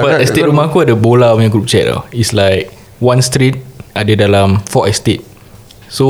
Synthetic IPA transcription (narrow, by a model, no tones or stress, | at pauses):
baɛsteʔɾumakuadəbolãnə̃ɡɾup̚t͡ʃɛ̰ʔ̚la̰islaɪk̚ | wãnst̪ɾit̚ʔadədalãmfɔʔɛstet̚ | so